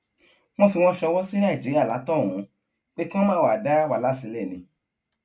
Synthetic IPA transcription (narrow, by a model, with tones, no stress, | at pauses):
m̃ɔ̃˦fi˧w̃ɔ̃˦ʃɛ˧wɔ˦si˦ñã˦˨d͡ʒi˨˦ɾi˦a˦˨la˨˦tɔ̃˦˨ũ˨˧ | k͡pe˦kĩ˦ɔ̃˦mãː˦˨wa˨da˦wa˧˦la˦si˧lɛ˦˨nĩ˨˧